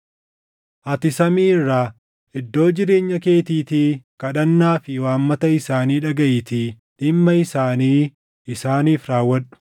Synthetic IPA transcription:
ʔɐt̪ɪsɐmiːɪrːaː | ʔɪd̪ːo̞ːd͡ʒɪɾe̞ːɲːɐke̞ːt̪iːt̪iːkɐᶑɐnːaːfɪwaːmːɐt̪ɐɪsaːniːᶑɐɡɐʔɪt̪iː | ᶑɪmːɐɪsaːniː | ɪsaːniːfɾaːwːɐᶑʊ̥

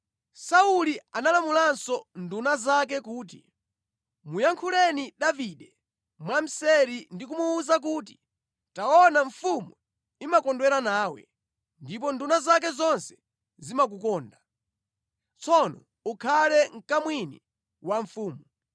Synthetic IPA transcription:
saulianalamulansɔndunazak̬ɛkuːt̬i̥̰ | mujaŋkʰulɛniɗaviɗɛ | mwam̩sɛɾindikumuːzak̬uːt̬i̥ | taɔnaɱ̩fumu | imakɔndwɛɾanaːwɛ̰ | ndip̬ɔndunazak̬ɛzɔnsɛ̥ | zimak̬ukɔːnda | t͡sʰɔnɔ | ukʰalɛŋ̩kamwinḭ | waɱfuːmu

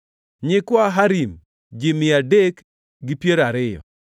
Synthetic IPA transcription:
ɲɪkwaɦaɾim | d͡ʒɪmɪadek | ɡɪpjeɾaɾɪjɔ̰

